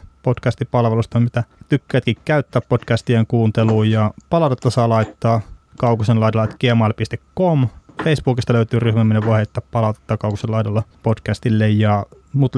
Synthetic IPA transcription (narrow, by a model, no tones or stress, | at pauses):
potkæst̪ipɑlʋelust̪ɑmit̪æt̪ykːæːt̪kikkæyt̪ːæːppod̥kæst̪ieŋkuːnt̪eluːjjɑpɑlɑut̪et̪ːɑsɑːlɑit̪ːɑːkɑukusenlɑidolɑet̪kiemɑːlpist̪ekkomfeisb̥uːkist̪ɑløyt̪yːryhmæmːineʋʋoihet̪ːæppɑlɑˑut̪e̥t̪ːɑːkɑukuselɑidolːɑpodkæst̪ilːejjɑ | mut̪